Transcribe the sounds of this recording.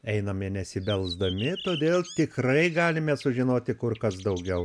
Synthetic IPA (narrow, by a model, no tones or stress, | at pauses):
ɛɪnɐmɪnʲɛsʲɪbʲɛlˠzd̪ɐmʲɪt̪oːd̪ʲeːlˠt̪ʲɪkrɐɪɡɑːlʲɪmʲɛsʊʒʲɪnoːt̪ʲɪkʊrkɐsd̪ɐʊɡʲɛʊ